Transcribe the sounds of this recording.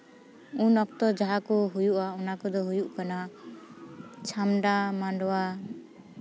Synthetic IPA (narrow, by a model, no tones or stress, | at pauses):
unɔkt̪ɔd͡ʒaɦakɔɦujuʔaɔnakɔd̪ɔɦujuʔkana | t͡ʃʰamɖamaɳɖɔwa